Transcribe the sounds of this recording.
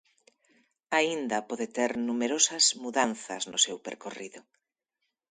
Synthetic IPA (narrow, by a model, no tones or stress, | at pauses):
aind̪ɐpɔðet̪eɾnumeɾosɐzmuðanθɐ̰znʊ̰sewpḛɾkoriðʊ